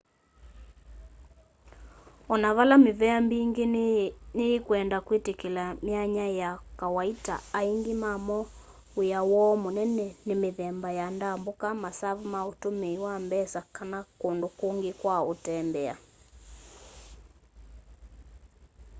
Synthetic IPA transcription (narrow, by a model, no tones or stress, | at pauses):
ɔnaβalameβɛambiŋɡeneːkuɛndakwetekelamjaɲajakawaita̰aiŋɡemamɔ | ojawɔmonɛnɛnemeðɛmbajandambokamasaβumaotomeiwambɛsakanakondokoŋɡekwaotɛmbɛa̰